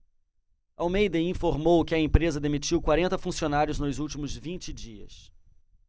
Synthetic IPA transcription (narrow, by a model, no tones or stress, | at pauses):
awmejd̪ɐĩfoɾmowkɪɐẽpɾezɐd̪emit͡ʃiwkwaɾẽnt̪ɐfũsionaɾjʊznʊzuwt͡ʃimʊzvĩnt͡ʃɪd͡ʒiɐ̰s